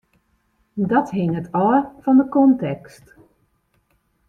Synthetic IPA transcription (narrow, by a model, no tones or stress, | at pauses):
dɔtɦɪŋətʰɔːrfɔndəkɔntɛkst